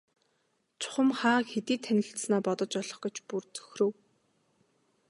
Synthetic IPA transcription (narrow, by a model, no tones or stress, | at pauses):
t͡sʰʊ̥χə̆mχaːxet̪iːt̪ʰːænʲɪ̆ɬt̪snaːpɔt̪ɞ̆t͡ɕɔɮɞ̆χɡ̥ĕt͡ɕpurt͡sʰɵ̥xrɘ̆w